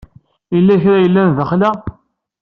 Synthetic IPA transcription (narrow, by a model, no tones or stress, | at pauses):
ilːæçɾajəlːænðəχlæ